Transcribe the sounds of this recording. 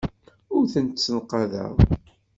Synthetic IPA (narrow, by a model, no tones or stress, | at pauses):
ʊɾθənt̪sənqɑðæ̰w